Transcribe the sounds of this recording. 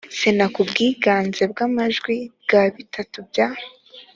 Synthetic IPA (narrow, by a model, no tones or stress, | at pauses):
senakubɡiːɡaːnze̞b̚ɡamaʒɡwib̚ɡaβitʰatubjaːh